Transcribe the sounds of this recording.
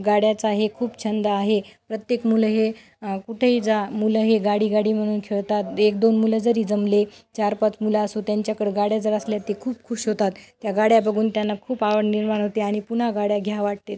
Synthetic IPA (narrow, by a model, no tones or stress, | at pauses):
ɡaɽjat͡saɦekʰuːpt͡ɕʰənd̪aːɦepɾət̪jekmulɦe | kuʈʰeɦiːd͡zamulɦeɡaɽiːɡaɽiːm̤əɽ̃uːnkʰeɭt̪at̪ekd̪onmuləd͡zəɾiːd͡zəmlet͡ɕaɾpat͡smulaəsut̪jaɲt͡ɕjakəɽeɡaɽjad͡zəɾəsljat̪ekʰuːpkʰuɕɦot̪at̪ːjaɡaɽjabəɡʱuːnt̪janːakʰuːpaʋəɽniɾmaɳ̃ɦot̪eaɽ̃ipuɳ̤aɡaɽjaɡʱjaʋaʈ̚t̪et̪